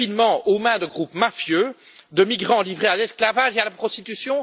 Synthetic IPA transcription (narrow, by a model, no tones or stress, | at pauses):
inmɑ̃omɛ̃d̪əɡʁupmafjø | d̪əmiɡʁɑ̃livʁealɛsklavaʒealapχɔst̪it̪ysjɔ̃